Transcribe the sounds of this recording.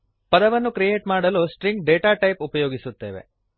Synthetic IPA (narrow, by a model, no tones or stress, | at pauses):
pɐd̪ɐʋɐnːukɾijeːʈmaːɽɐloːsʈɾiŋɡ̚ɖeːʈaːʈɐjpupɐjoːɡisut̪ːeːʋḛ